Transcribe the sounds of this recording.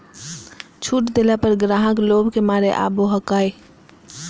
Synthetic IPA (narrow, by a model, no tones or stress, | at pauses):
t͡ʃʰuːʈd̪eːlapəɾɡɾaːɦəkloːbkemaːɾeʔa̰ːboɦəkaːe